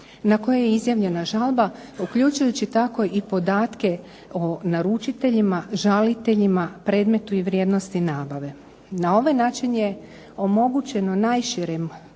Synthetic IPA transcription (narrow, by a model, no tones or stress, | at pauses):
nako̞jejeizjaʋʎʲe̞naʒalˠba | ukʎut͡ʃujut͡ɕit̪ako̞ipo̞d̪aːt̪ke̞ | o̞naɾut͡ʃit̪e̞ʎimaʒalit̪e̞ʎimapɾe̞ːd̪me̞t̪uiʋɾje̞d̪no̞st̪inaːbaʋe̞ | nao̞ʋenaːt͡ʃiɲe | o̞mo̞ɡut͡ɕe̞no̞najʃiɾem